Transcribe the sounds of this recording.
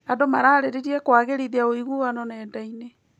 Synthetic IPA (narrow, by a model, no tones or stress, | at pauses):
adomaɾaːɾeɾiɾiɛkwaːɣeɾiðeaoiɣuanɔnɛːndaine